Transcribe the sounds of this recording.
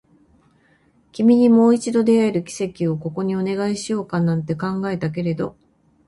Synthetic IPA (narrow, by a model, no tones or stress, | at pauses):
kʲimʲiɲ̟imo̞ːit͡ɕid̪o̞d̪e̞aeɾɯ̟kʲi̥se̞kʲio̞ko̞ko̞ɲ̟io̞ne̞ɡaiɕijo̞ːkanãnt̪e̞kãŋɡae̞t̪ak̬e̞ɾe̞d̪o̞